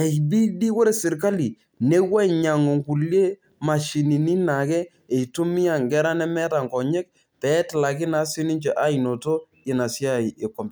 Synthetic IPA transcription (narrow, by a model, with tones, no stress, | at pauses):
ɛ˨jbi˦di˦ko˦ɾe˨sɪ˨ɾka˦li˨ | ne˦wa˦˨ɲa˨ŋo˨ŋku˨lje˦ | ma˨ʃi˨ni˨ni˦na˨kɛ˦ | e˨tu˦mi˦a˨ŋɡɛ˦ɾa˦nɛ˦mɛ˦ta˨ŋkɔ˨ɲɛ˦k̚ | pɛ˨˦tɪ˨la˨k̬ɪ˦na˨˦sɪ˦ni˦ɲt͡ʃɛ˨ʔa˦i˨no˨to˦ | ɪ˨na˨sja˦˨jɪ˨kɔ˨mb